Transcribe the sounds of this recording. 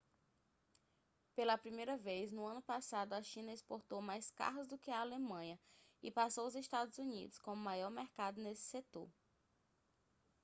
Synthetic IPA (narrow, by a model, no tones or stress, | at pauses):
pelɐpɾimejɾɐvejznʊɐ̃nʊpasad̪ʊaʃĩnɐespoɾt̪owmajska̰ɦʊzd̪ʊkɪɐalemɐ̃ɲɐɪpasowʊzest̪ad̪ʊzunḭd̪ʊskõmajɔɾmeɾkad̪ʊnesɪ̥set̪o̰ɾ